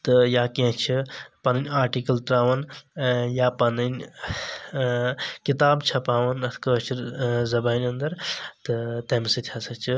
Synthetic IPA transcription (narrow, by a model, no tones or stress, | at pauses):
t̪ɨjaːkiɐ̃t͡ʃʰipɐnɨnʲaːɾʈikɐlʈɾaːʋɐn | japɐnɐnʲ | kit̪aːbt͡ʃʰɐpaːʋɐnɐt̪ʰkət͡ʃʰiɾzɐbaːnʲɐnd̪ɐɾt̪ɨt̪ɐmsit̪ʲʰjasɐt͡ʃʰi